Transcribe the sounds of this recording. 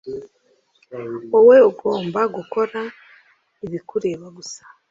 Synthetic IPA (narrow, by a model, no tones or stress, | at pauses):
owe̞oɡo̞ːmbaɡuko̞ɾa | iβikuɾe̞βaɡusḁ